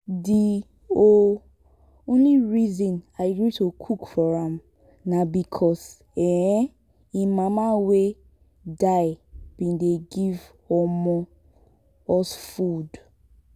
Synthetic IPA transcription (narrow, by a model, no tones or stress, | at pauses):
di | o | õnliɹizɔ̃naɪɡɹitokʰukfɔɹãm | nabikʰɔs | ɛ | ĩmamawe | daɪb̥ĩndeɡiv | ɔmɔ | ɔsfud